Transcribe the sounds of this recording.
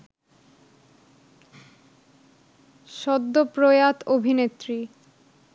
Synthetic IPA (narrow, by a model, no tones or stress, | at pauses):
ʃɔd̪ːopɾojat̪obʱinet̪ːɾi